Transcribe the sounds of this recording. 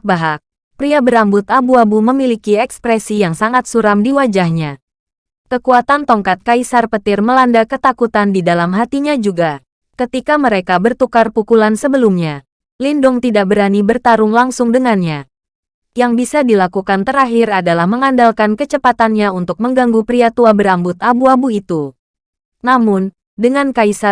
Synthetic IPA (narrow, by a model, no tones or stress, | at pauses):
baɦak̚ | pɾiabəɾambʊt̪abuabuməmilikiɛkspɾɛsijaŋsaŋat̪̚suɾamdiwad͡ʒahɲa | kəkuat̪ant̪ɔŋkat̪̚kaisarpət̪ɪrməlandakət̪akut̪andidalamɦat̪iɲad͡ʒuɡa | kət̪ikaməɾekabərt̪ukarpukulansəbəlumɲa | lindʊŋt̪idaʔ̚bəɾanibərt̪aɾʊŋlaŋsʊŋdəŋanɲa | jaŋbisadilakukant̪əɾaɦɪradalahməŋandalkankət͡ʃəpat̪anɲaunt̪ʊk̚məŋɡaŋɡupɾiat̪uabəɾambʊt̪abuabuit̪u | namʊn | dəŋankaisa